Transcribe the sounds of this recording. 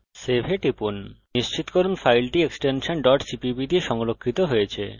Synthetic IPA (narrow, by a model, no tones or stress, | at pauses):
sebʱeʈɾipunniʃt͡ɕit̪okoɾunfʰajlʈieksʈenʃonɖɔʈsipibiɖieʃɔŋlokʰːit̪oɦojet͡ɕʰḛ